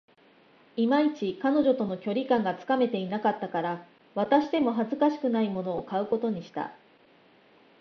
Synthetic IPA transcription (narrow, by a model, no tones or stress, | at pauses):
imait͡ɕikano̞ʑo̞t̪o̞no̞kʲo̞ɾʲikãŋɡat͡sɨ̥kame̞t̪e̞inakat̪ːakaɾa | βat̪aɕid̪e̞mo̞ɦazɨkaɕi̥kɯ̟naimo̞no̞ːkaɯ̟ko̞t̪o̞ɲ̟iɕi̥t̪a̰